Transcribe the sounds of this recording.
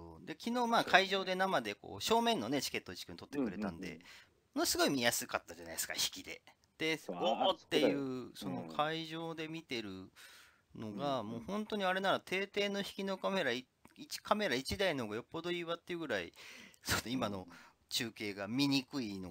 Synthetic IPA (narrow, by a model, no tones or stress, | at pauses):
o̰ːd̪e̞kʲino̞ːmaːkʰaiʑo̞ːd̪e̞namad̪e̞ko̞̰ːɕo̞ːmẽ̞nːo̞net͡ɕi̥ke̞t̪ːoit͡ɕi̥kɯnt̪ot̪ːekɯ̟ɾe̞t̪ã̰nd̪e̞̰ | monosɨɡo̞imʲijasɨkat̪ːad͡ʑana̰i̥sɨ̥ka̰çi̥kʲid̪e̞ | d̪̥e̞ot̪ːe̞jɯ̟ːso̞no̞̰kʰaiʑo̞ːd̪e̞mʲit̪e̞ɾɯ̟ | no̞ɡamoːhõ̞nt̪o̞ɲ̟iaɾe̞naɾat̪ʰe̞ːt̪e̞ːnoçi̥kʲino̞kame̞ɾai | it͡ɕi̥kʰame̞ɾait͡ɕid̪ainooɡajo̞pːo̞d̪o̞iːβat̪ːeiɯ̟ɡɯ̟ɾaḭsonoimano̞ | t͡ɕɨːke̞ːɡamʲiɲ̟ikɯ̟ino